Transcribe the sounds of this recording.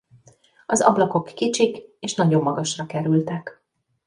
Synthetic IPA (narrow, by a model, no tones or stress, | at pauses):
ɒzɒ̰blɒko̞kːit͡ʃikeːʃnɒɟo̞mːɒɡɒʃrɒkɛɾylt̪ɛk